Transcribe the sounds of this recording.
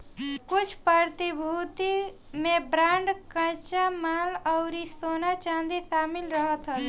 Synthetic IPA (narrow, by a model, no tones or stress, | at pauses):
kʊt͡ʃʰpəɾt̪ibʱuːt̪imẽbɾãːɳɖkə̃t͡ʃamaːlɔʊɾisoːnat͡ʃãːnd̪iʃaːmɪlɾəɦət̪ɦət̪